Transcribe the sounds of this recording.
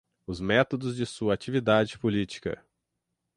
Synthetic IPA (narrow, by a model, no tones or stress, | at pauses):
ʊzmɛt̪od̪ʊzd͡ʒɪsuɐat͡ʃivid̪ad͡ʒɪpolit͡ʃi̥kɐ̰